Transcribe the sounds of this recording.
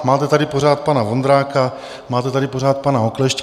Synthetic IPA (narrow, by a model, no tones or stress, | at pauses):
maːt̪ɛt̪adɪpo̞ɾaːt̪̚panavond̪ɾaːka | maːt̪ɛt̪adɪpoɾaːt̪̚panaɦoklɛʃc